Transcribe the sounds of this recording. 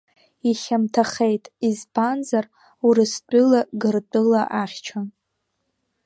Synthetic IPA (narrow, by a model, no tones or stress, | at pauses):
iχʲamtʰaχejtʼizpʰanzar | uɾɨstʷʼɨlaɡɨrt͡pʷʼɨlaʔaχʲt͡ʃʷʰan